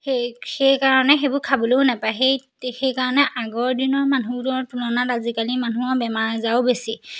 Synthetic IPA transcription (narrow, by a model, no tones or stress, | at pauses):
exejkaɹɔnɛxebʊɹkʰabɔloʊnapajxej | xejkaɹɔnɛʔaɡɔɹdinɔɹmanuɾɔɹpunɔnatazikalimanuɔbɛmaɹzaʊbesi